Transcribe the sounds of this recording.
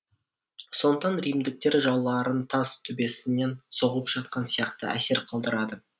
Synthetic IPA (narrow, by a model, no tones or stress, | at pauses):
so̞nət̪ɑnɾijmd̪ɪk̚t̪e̞ɾʒɑwlˠɑɾənt̪ʰɑzt̪ʰʏbe̞sɪne̞nso̞ʁəlˠəpʒ̥ɑt̪̚qɑnsijɑqt̪ə̰æ̰se̞ɾqʰɑlˠd̪əɾɑd̪ə